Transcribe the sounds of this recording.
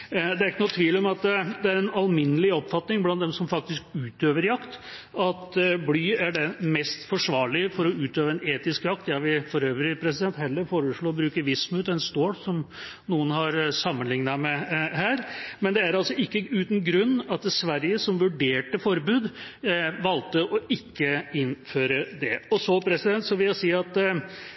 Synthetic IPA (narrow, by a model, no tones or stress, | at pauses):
d̪ɛæɾɪkːənuːt̪ʰʋiːlɔmɑt̪d̪ɛæɾɛnɑlmɪnːəlɪɔpːfɑt̪nɪŋblɑnd̪ɛmsɔmfɑk̚t̪ɪskʉːt̪øːʋəɾjɑkt̪ɑt̪blyːæɖɛmɛst̪fɔʂʋɑːɭɪfɔɾɔʉːt̪øːʋəɛneːt̪ɪskjɑk̚t̪jɑʋɪfɔɾøːʋɾɪpʰɾɛsɪd̪ɛnt̪hɛlːəɾfoːɾəʂɭoːbɾʉːkəɾʋɪsmʉt̪ɛnst̪oːɽsɔmnuːənɦɑɾsɑmːənlɪŋnɑmɛhæːɾmɛnd̪ɛæɾɑlsɔɪkːəʉːt̪n̩ɡɾʉnːɑt̪̚sʋæɾjəsɔmʋʉɖeːʈəfɔɾbʉːd̪ | ʋɑlt̪əʔɔʔɪkːəɪnføːɾəd̪ɛɔsɔpʰɾɛsɪd̪ɛnt̪sɔʋɪljæɪsiːɑt̪